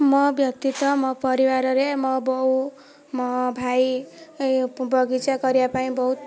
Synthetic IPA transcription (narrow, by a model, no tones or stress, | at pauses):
mʌbjʌk̚t̪it̪ːʌmʌpʌɾiwaɾʌɾemʌbʌw | mʌbʱaj | bʌɡit͡sʰʌkʌɾjapaĩbʌɦut̪